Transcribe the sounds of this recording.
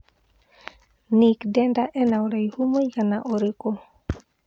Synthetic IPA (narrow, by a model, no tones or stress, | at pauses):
nikdɛndaʔɛnawɾajhumojkanaʔoɾeko